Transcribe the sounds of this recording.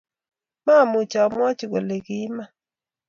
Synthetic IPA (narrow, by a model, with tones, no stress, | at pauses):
ma˦˨mʊ˨t͡ʃa˨mwɔ˦t͡ʃi˨ɡo˨le˨kɪ˦ma˦